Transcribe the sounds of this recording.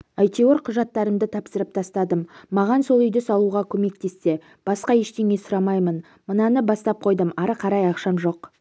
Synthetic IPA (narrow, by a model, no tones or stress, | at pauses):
ajt̪ewoɾqʰʊʒɑt̪ːɑɾəmd̪ət̪ʰɑpsəɾəp̚t̪ʰɑst̪ɑd̪əmːɑʁɑnso̞lˠʏjd̪ɪsɑlˠuʁɑkʲʰɵme̞k̚t̪e̞sːe̞ | b̥ɑsqɑjeʃt̪e̞ŋe̞sʊɾɑmɑjmən | mənɑnəbɑst̪ɑp̚qʰo̞jd̪əmɑɾəqʰɑɾɑjɑqʃɑmʒo̞q